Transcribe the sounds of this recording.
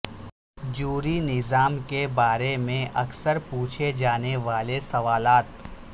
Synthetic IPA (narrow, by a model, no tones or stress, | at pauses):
d͡ʒuːɾinɪzaːmkebaːɾemẽʔɐksəɾpuːt͡ʃʰed͡ʒaːneʋaːlesɐʋaːlaːt̪